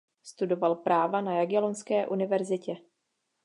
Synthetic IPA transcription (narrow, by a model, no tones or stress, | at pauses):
st̪udo̞valpɾaːvanajaɡjalonskɛːʔunɪvɛɾzɪcɛ